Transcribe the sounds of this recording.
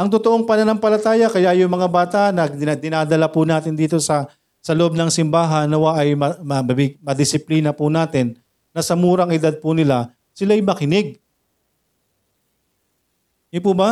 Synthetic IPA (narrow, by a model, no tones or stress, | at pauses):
ʔɐŋt̪ot̪oʔoŋpɐnɐnaŋpɐlɐt̪aːjɐkɐjaʔjʊŋmɐŋabaːt̪ɐʔnɐd̪ɪnaːd̪ɐlapunaːt̪ɪnd̪iːt̪o̞sɐ | sɐloʔob̚nɐŋsɪmbaːɦɐnɐwaʔɐjmɐmɐɐbɪmɐd̪ɪsɪpliːnɐpunaːt̪ɪnː | ɐsɐmuːɾɐŋɪd̪ad̪̚punɪla | sɪlajmɐkɪnɪɡ̚ | jʊpuːbɐ